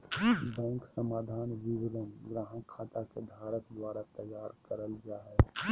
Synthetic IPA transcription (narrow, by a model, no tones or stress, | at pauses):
bɛ̃ŋksəmaːd̪ʱaːnʋiɡɾənɡɾaɦə̃kʰat̪akebʱaɾək̪d̪waɾat̪əjaːɾkəɾəld͡ʒaɦɛ